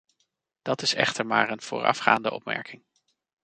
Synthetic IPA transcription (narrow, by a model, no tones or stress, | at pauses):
d̥ɑtɪsɛ̰χtəɹmaːɹənv̥ʊːɹɑ̰fχa̰ːndəʔɔ̰p̚mɛ̰ɹkɪŋ